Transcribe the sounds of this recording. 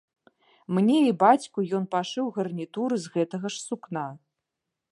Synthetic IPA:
mnʲɛibat͡sʲkujɔn̪paʂɨwɣɐrnʲit̪uɾɨzɣɛt̪ɐɣɐʂsukna

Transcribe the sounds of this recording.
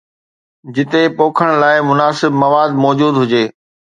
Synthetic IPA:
d͡ʑɪt̪epoːkʰəɽ̃laːɪmʊnaːsɪbmɐʋaːd̪mɔːd͡ʑuːd̪ɦʊd͡ʑeː

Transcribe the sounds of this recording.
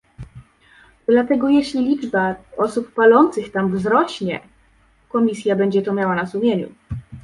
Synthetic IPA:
d̪̥lat̪ɛɡɔjɛɕlʲilʲid͡ʐbaɔsupːalɔnt̪sɘxt̪amvzɾɔɕɲɛ | kɔmʲisʲjabɛɲd͡ʑɛt̪ɔmʲjawanasumʲjeɲṵ

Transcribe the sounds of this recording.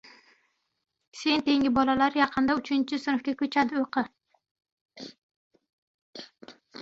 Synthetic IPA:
se̞nt̪ʰe̞ŋʲɪbɒlalaɾjɑqʰɨnd̪aʊt͡ʃʰɪnt͡ʃʰɪsʊnʊfkʲakʲʰɵt͡ʃʰad̪ɪoqʰɨ

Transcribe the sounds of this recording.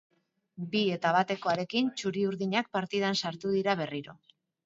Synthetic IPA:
bie̞t̪aβ̞at̪e̞ko̞aɾe̞kint͡ʃuɾiuɾðiɲak̚paɾt̪ið̞ansaɾt̪uðiɾaβ̞e̞riɾo̞

